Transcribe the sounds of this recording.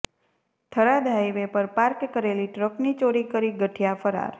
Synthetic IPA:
t̪ʰəɾad̪ʱajʋepəɾpaɾkːəɾeliʈɾəknit͡ʃoɽikəɾiɡəʈʰjafəɾa̰ɾ

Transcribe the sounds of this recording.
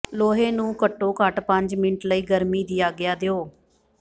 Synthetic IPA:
loːɦeːnũːkəʈːoːkəʈpə̃ɲd͡ʒmɪnəʈləiːɡəɾmiːd̪iːaːɡɪjaːd̪eoː

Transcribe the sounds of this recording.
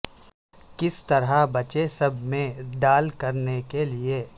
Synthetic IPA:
kɪst̪ɐɾɦabɐt͡ʃesɐbʱmẽɖaːlkɐɾnekelieː

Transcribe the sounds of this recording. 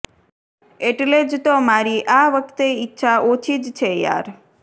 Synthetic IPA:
eʈled͡ʒt̪omaɾiʔaʋəkʰt̪eitːʃʰaʔot͡ʃʰid͡ʒt͡ʃʰeja̰ɾ

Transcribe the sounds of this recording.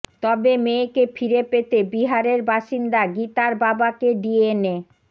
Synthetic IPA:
t̪ɔbemekefʰiɾepet̪ebiɦaɾeɾbaʃind̪aɡit̪aɾbabakeɖiene

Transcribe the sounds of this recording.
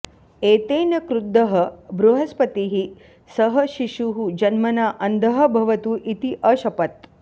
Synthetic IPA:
eːt̪eːnɐkɾud̪ːɐɦɐbɾuɦɐspɐt̪iɦi | sɐɦɐʃiʃuɦud͡ʒɐnmɐnaːʔɐnd̪ʱɐɦɐbʱɐʋɐt̪uːʔit̪iʔɐʃɐpɐt̪

